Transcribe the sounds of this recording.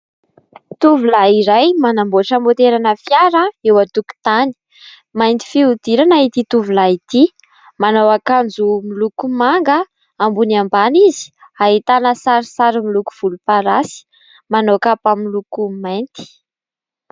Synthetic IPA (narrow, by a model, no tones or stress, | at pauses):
t̪uvulaiɾajmanamboaʈ͡ʂəmot̪eɾanəfjaɾəewat̪uku̥t̪ani̥ | majnt̪i̥fiud̪iɾanait̪it̪uvulait̪i | manowakand͡zumilukumaŋɡə | ambuniambanizi̥aɦit̪anəsaɾisaɾimiluku̥v̥ulupaɾasi̥ | manokapamilukumajnt̪i̥